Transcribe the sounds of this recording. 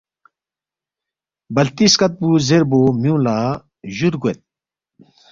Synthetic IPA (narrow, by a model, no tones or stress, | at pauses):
bɐlt̪iskɐt̪̚buzeɾbomjũːla | ʑuɾɡuet̪̚